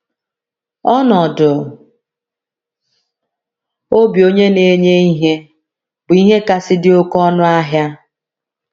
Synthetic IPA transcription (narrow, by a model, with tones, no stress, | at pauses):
ɔ˦nɔ˨dʊ˨ | o˦bi˨o˦ɲe˦ne˨ɲe˦i˦ɦe˦ | bʊ˨i˦ɦe˦ka˦sɪ˦dɪ˦o˦kɔ˦nʊ˦a˦ɦja˦